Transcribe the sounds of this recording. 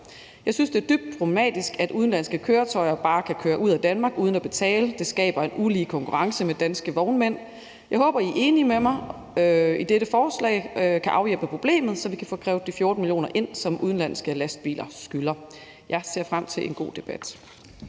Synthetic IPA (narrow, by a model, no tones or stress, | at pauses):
jɑ̈ɪsynsd̥e̝ɐd̥yb̥̚d̥̚pʰʁob̥lemɛ̰ːd̥isɡ̥æd̥uð̞ˠn̩læn̰sɡ̥əkʰøːɐt͡sʰɒ̽ɪɐb̥ɑ̈ːkʰækʰøːɐʔuð̞̰ˠæd̥ænmɑ̈ːɡ̥uːð̞ˠn̩æb̥e̝t͡sʰɛ̰ːləd̥e̝sɡ̥ɛ̰ːb̥ɐe̝nuliːkʰɒ̽ŋkʰuʁɑ̈ŋsəmed̥ænsɡ̥əʋɒʊnmen̰ | jɑ̈ɪhɔ̽ːb̥ɐiʔe̝ːnimemɑ̈ɪ | øid̥eɾəfɒːslɛ̰ːɪkʰæʔɑ̈ʊjelb̥əpʰʁo̝b̥le̝̰ːmð̞̩ˠsɒ̽ʋikʰæfɔ̰ːkʰʁɛ̰ːʊd̥ifjo̝ɐd̥n̩milijo̝̰ːnɐʔe̝n̰sɒ̽mʔuð̞ˠn̩læn̰sɡ̥əlæsd̥̚b̥ḭːlʔɐsɡ̥ylɐ | jɑ̈ɪse̝ɐ̰fʁam̰t͡sʰe̝lʔe̝nɡ̥o̝̰ːd̥e̝b̥æd̥